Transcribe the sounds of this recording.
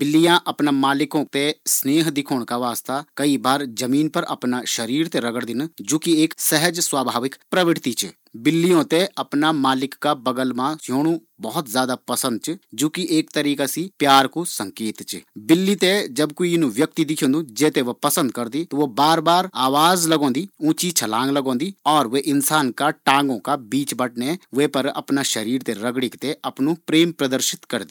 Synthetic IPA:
bɪlːijãːʔəpnãːmaːlɪkõːt̪esneːɦd̪ɪkʰoːɳ̃kaːʋaːst̪aːkəibaːɾzəmiːnpəɾɐ̰pnaːʃəɾiːɾt̪eɾəɡəɽd̪ɪnd͡ʒoːkieːksɛɦəd͡ʒswaːbʱaːʋɪkpɾəʋɪɽt̪iːt͡ʃ | bɪlːijõːt̪eʔəpnaːmaːlɪkːaːbəɡəlmãsjoːñũː | bɔɦʊt̪zjaːd̪aːpəsə̃nd̪̚t͡ʃd͡ʒoːkiʔeːk̚t̪əɾiːkasiːpjaːɾkoːsəŋkeːt̪t͡ʃbɪlːiːt̪eːd͡ʒəbkoinũːʋjək̚t̪iːd̪ɪkʰjõːnd̪uːd͡ʒeːt̪eːʋoːpəsə̃nd̪̚kəɾd̪iːt̪oʋoːbaːɾbaːɾaːʋaːzləɡõːnd̪iːũːt͡ʃiːt͡ʃʰəlãːŋɡləɡõːnd̪iːɔːɾʋeːʔɪnsaːnkaːʈãːŋɡõːkaːbiːt͡ʃbəʈ̚neːʋeːpəɾə̰pnaːʃəɾiːɾt̪eːɾəɡɽɪkt̪eːʔəpnũːpɾeːmpɾəd̪əɾʃɪ̥t̪kəɾd̪iː

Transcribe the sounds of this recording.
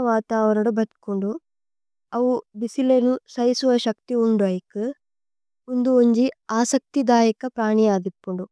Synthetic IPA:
ɐʋaːt̪aːʋɐnɐɽubɐt̪kuɳɖu | ɐʋubisilenusɐjisuʋɐʃɐk̚t̪iuɳɖɐjikɯ | und̪uoɲd͡ʒiaːsɐk̚t̪id̪aːjɐkɐpɾaːɳijaːd̪ipːuɳɖu

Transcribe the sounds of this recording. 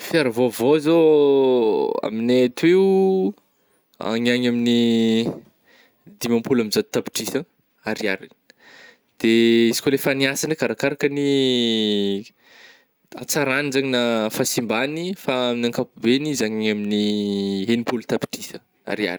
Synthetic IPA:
fiaɾavovozo | a̰minet̪ueu | a̰ɲaɲamini | d̪imãmpulamizad̪ut̪api̥ʈ͡ʂisə | aɾiaɾin | d̪̥eisikʲolefaniasanəkaɾakaɾakəni | a̰t͡saɾanizaɲinafasimbanifaːminaŋkapubenizaɲɲaminiɦenipulut̪api̥ʈ͡ʂisə | a̰ɾia̰ɾ

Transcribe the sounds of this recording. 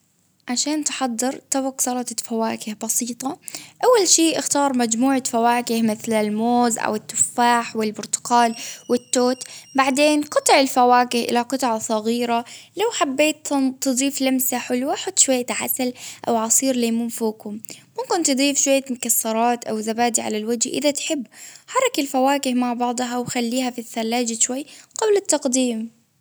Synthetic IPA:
ʕaʃaːnt̪ħad̪ˤːɑɾˤt̪abɑqsɑlɑt̪fawaːkɪhbɑsiːt̪ˤɑʔawːalʃiːʔɪxt̪ɑːɾˤmad͡ʒmuːʕafawaːkɪhmɪθlɪlmoːzʔa̰wɪt̪ːʊfːaːħwɪlbʊɾt̪ʊ̥qɑːlwɪt̪ːoːt̪baʕd̪eːnqɑt̪ˤɨʕɪlfawaːkɪhʔɪ̰laqɨt̪ˤʕɑsˤɑɣiːɾalawħabːeːt̪t̪ɨd̪ˤɾiːflamsaħʊlwʔaħʊt̪ːˤʃwajːat̪ʕa̰salʔa̰wʕɑsˤiːɾleːmuːnfuːkʊmː | ʊmkɪnt̪ɨd̪ˤiːfʃwajːamʊkasːɑɾˤɑːt̪ʔawzabaːd̪iʕa̰lalwad͡ʒhʔɪ̰ðat̪ħɪbːħɑɾˤɑkɪlfawaːkɪhmaʕbɑʕd̪ˤɦawxalːiːhafiθːalːaːd͡ʒaʃwajːqɑblɪt̪ːɑqd̪iːm

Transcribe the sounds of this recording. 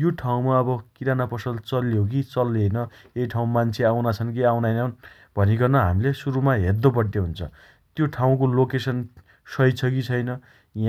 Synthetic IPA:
joʈʰaw̃maʌbʌkiɾanapʌsʌlt͡sʌljok̬it͡sʌlːejnʌ | ejʈʰaw̃mant͡sʰeawnat͡sʰʌnkiawnajnʌn | bʱʌniɡʌrnʌɦa̰milesuɾumaɦed̪opʌɽt̪eɦunt͡sʰʌ̰ | t̪joʈʰaw̃kolokesʌn | sʌjt͡sʰʌkit͡sʰʌjnʌ | ja

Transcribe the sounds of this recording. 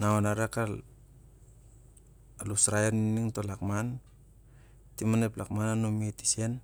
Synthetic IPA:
naonaɾakal | alusɾajeniiniŋtolakman | timaneplakmananomiti̥sen

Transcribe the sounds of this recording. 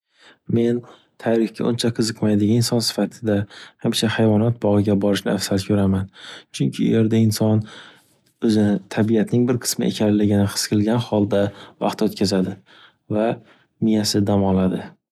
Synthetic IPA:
me̞n | t̪ʰaɾɪhkʲa̰ʔʊnt͡ʃʰaqʰɨzɨqmajd̪ɪɡʲaɪnsɒnsɪ̥fat̪ʰɪd̪ahamt͡ʃʰahajvɒnɒt̪̚bɒʁɨɡʲabɒɾɪʃnɪafsat̪kʲʰɵɾamant͡ʃʰʊŋkʲʰɪʊ̰je̞ɾd̪aɪnsɒn | ɵzɪnɪt̪ʰabijat̪nɪŋbɪɾqʰɨ̥smɪʔḛkʲʰanlɪɡʲɪnɪqʰɨ̥skʲʰɪlɡʲanhɒlˠd̪avɑ̰qt̪ʰɵt̪̚kʰʲazad̪ɪ | va | mɪjasɪd̪amɒlad̪ɪ

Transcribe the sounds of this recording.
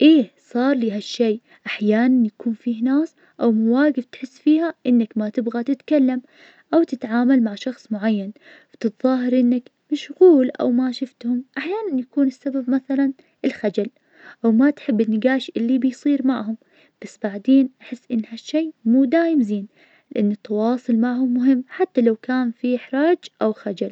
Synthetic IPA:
ʔeː | sˤɑːɾˤliːɦaʃːeː | ʔaħjaːnanjakuːnfiːhnaːs | ʔawmʊwaːɡɪft̪ħɪsːfiːhaʔɪnːakmat̪ɪbɣat̪ɪt̪kalːam | ʔawt̪ɪt̪ʕaːmalmaʕʃɑxsˤmʊʕajːan | ft̪ɨt̪ðˤɑːɦɪɾʔɪnːakmʊʃɣuːlʔa̰wmaʃʊft̪hʊmʔaħjaːnanjakuːnɪsːababmaθalan | ʔɪlxad͡ʒal | ʔawmat̪ħɪbːɪnːɪɡaːʃʔɪlːibɪjsˤiːɾmaʕɦʊm | b̥asːbaʕd̪eːnʔaħɪsːʔɪnːhaʃːeːmuːd̪aːjɪmziːn | lɪʔanːɨt̪ːɑwɑːsˤʊlmaʕhʊmːʊɦɪmːħat̪ːalawkaːnfiħɾˤɑːd͡ʒʔawxad͡ʒal

